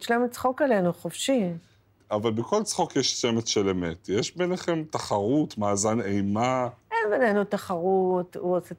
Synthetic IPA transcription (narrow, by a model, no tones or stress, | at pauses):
ʃleemt͡sχokale̞nuχofʃi | avalbeko̞lt͡sχo̞kjeʃt͡semetʃelemetjeʃbeneχemtaχaʁutmaːzanejmaʔenbenenutaχaʁutuose